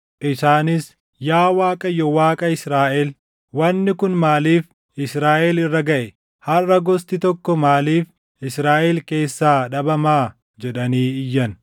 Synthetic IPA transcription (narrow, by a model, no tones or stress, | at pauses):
ʔɪsaːnɪs | jaːwaːkʼɐjɔwaːkʼɐɪsɾaːʔɛl | wɐnːɪkʊnmaːliːf | ɪsɾaːʔɛlɪrːɐɡɐʔɛ | hɐrːɐɡɔst̪ɪt̪ɔkːɔmaːliːf | ɪsɾaːʔɛlke̞ːsːaːᶑɐbɐmaː | d͡ʒɛᶑɐniːɪjːɐn